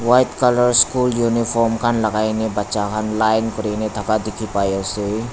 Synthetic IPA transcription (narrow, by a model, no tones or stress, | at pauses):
wajt̪kaləɾskuljunipʰɔɾmkʰanləɡajnebətːʃakʰanlajnkɔɾenet̪ʰakad̪ikʰipajɔse